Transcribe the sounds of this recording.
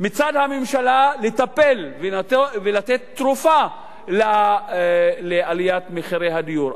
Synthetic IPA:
mit͡sadhamemʃalalet̪ape̞lvevelat̪et̪ːʁufa | la | lealijat̪meχiɾejɦad̪ijuɾ

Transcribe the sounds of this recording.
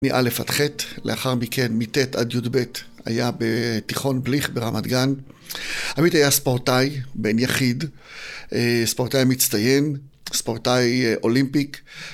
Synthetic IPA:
niʔa̰lefa̰t̪χetleaχaʁmikʰenmiteta̰djudbe̞t | a̰jabetiχo̞nbliχbeʁamadɡan | amitajaspoʁtajbenjaχid | ʔespoʁtajmit͡st̪aje̞n | spoʁtajʔo̞limpik

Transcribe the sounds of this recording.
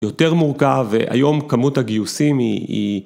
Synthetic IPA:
jo̞te̞ʁmuʁkaveʔa̰jo̞mkamutaɡijusimiḭ

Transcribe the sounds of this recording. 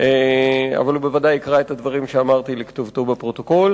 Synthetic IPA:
ʔea̰valubevadajikʁaet̪ad̪vaʁimʃeamaʁt̪ilikt̪ovt̪obapʁo̞t̪oko̞l

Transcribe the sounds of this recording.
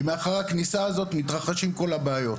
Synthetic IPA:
meaχaʁaknisaːzo̞t̪mit̪ʁaχaʃimko̞labeajo̞t

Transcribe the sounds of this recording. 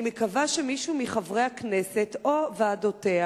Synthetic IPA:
mekavaʃemiʃumiχavʁe̞jhakne̞setovaːdotea

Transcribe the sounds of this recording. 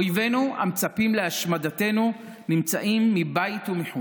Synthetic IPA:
jve̞nua̰mt͡sapimleaʃmadate̞nu | nimt͡saʔimːibajitumiħu

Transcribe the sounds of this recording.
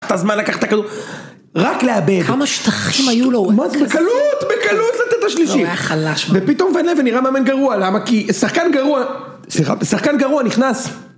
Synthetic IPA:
t̪azmanlakaχe̥t̪akad̪u | ʁakleabe̞dkdamaʃt̪aχimajulomazbekalut̪bekalutlat̪et̪aʃliʃiaχalaʃmvepit̪o̞mvenleveniʁameamenɡaʁualamakisaχkanɡaʁua | sliχa̰bsaχkanɡaʁuaniχnas

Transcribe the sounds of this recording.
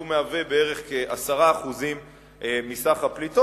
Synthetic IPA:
umeavebee̞ʁe̞χkeʔasaʁaːχuzim | eːisaχaplito

